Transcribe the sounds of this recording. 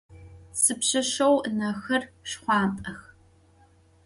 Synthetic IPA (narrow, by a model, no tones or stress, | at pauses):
sɨpɕɐʃɐwnɐxɐrɕχʷɑːntʼɐx